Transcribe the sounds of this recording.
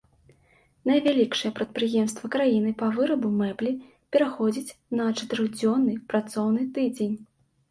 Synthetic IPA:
nɐjvʲalʲikʂɨjɛpɾɐt̪̚pɾɨjɛmst̪vɐkɾajinɨpɐvɨɾɐbumɛblʲi | pʲɛɾaxɔd͡zʲit͡sʲnɐt͡ʂɐt̪ɨɾɨɣd͡zʲɔnːɨpɾat̪sɔwnɨt̪ɨd͡zʲenʲ

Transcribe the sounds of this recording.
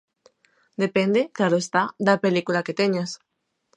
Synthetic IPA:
d̪epend̪eklaɾoest̪ad̪ɐpelikulaket̪eɲas

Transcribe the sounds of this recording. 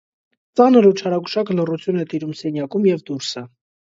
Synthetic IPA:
t͡sɑnəɾut͡ʃʰɑɾɑɡuʃɑkəlɔrut͡sʰjunɛt̪iɾumsɛnjɑkumjɛvd̪uɾsə

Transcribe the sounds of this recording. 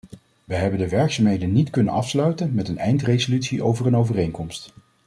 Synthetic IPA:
ʋəɦɛbəndəʋɛɹksaːmɦejdənitkɵnə̰nɑfslœɥtənmɛtənɛjntrejzolytsiʔowvərənowvərejŋkɔmst

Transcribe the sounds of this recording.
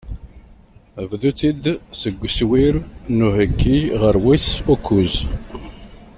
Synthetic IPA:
əvðut͡sid̪səɡʷːswiɾnuhəɡːiʁəɾwisukʰːuz

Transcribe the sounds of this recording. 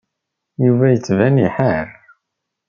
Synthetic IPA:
juvæjət͡sːvæniħəɾ

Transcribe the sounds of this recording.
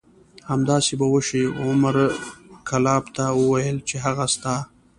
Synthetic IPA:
hamd̪ɑsebawəʃiʊmaɾkʰalɑbt̪awəwajəlt͡ʃeɦaɣast̪a

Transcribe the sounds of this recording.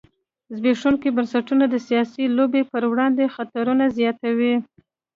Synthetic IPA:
zbeʂuŋkibansaʈunad̪əsijɑsilobepəɾwɽɑnd̪exat̪aɾunazjɑt̪awi

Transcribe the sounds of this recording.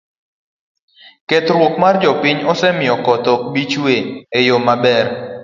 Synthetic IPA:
ket̪ɾwokmard͡ʒɔpiɲɔsɛmɪɔkɔt̪ɔbit͡ʃweejomabɛr

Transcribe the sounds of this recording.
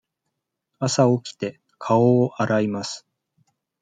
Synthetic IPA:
asaokʲi̥t̪e̞ | kʰaoːʔaɾaimasɨ̥

